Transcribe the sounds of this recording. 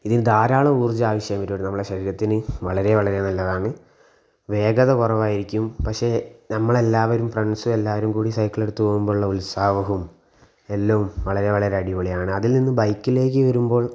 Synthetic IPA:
iðinɨd̪aːɾaːɭɐuːrd͡ʑaːʋɐɕjɐjɐmɐɾoːɽɨnɐmːɐɭɽeɕɐɾiːɾɐt̪ːinɨʋɐɭɐɾe̞ʋɐɭɐɾe̞nɐlːɐðaːɳɨ | ʋe̞ːɡɐðɐkurɐʋaːjiɾikʲːumpɐkʂe̞nɐmːɐɭe̞lːaːʋɐɾumfrɐɳsue̞lːaːʋɐɾumkuːɽisɐjkːiɭe̞ɽut̪ːupo̞ːɣumbo̞ːɭuɭːɐulsaːʋɐɦum | e̞lːɐʋumʋɐɭɐɾe̞ʋɐɭɐɾeɐɖiʋoɭijaːɳɨɐðilninːɨbɐjkːile̞ːk̬ːɨʋɐɾumbo̞ːɭ

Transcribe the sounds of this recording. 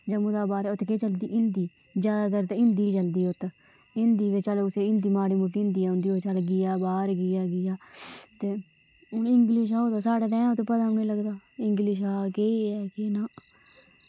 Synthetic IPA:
d͡ʒəmud̪aːbaːɾʊt̪keːt͡ʃəld̪iːʔɪnd̪iː | d͡ʒjaːd̪aːd̪əɾt̪ːɪnd̪iːt͡ʃəld̪iːʊt̪ | ɪnd̪iːʋet͡ʃalːʊseːɪnd̪iːmaːɽiːmʊʈːiːɪnd̪iːaːʊnd̪iːot͡ʃaːlːɡɪjaːbaːɾɡɪjaːɡɪjaːt̪eː | ɪ̃ŋɡlɪʃ̬aːoːd̪aːsaːɽaːd̪ɛ̃ːʊt̪ːpəd̪aneːləɡd̪aːɪŋɡlɪʃ̬aːkeːɛːkenaː

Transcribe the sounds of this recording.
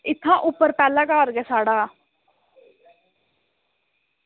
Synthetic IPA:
ɪt̪ʰːãːʔʊpːəɾpɛːlãːkaːɾɡɛːsaːɽaː

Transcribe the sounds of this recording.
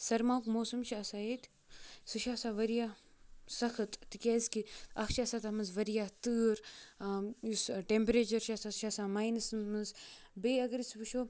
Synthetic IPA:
sɐɾmaːwkmoːsɐmt͡ʃʰiɐsaːjet̪ | sɨʃaːsaːʋɐɾijaː | sɐxʰɨt̪t̪ikʲaːzkiɐxʰt͡ʃʰiɐsaːt̪amɨnzʋɐɾijaːt̪ɨːɾ | usʈempɾeːt͡ʃɐɾt͡ʃʰasaːsʃaːsaːmaːjnɨsmɨzbeːɐɡɐɾisʋɨʃoː

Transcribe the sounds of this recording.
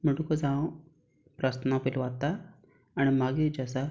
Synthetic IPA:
miʈukɔd͡zã | pɾast̪napilʋat̪aː | ñimaɡid͡ʒasa

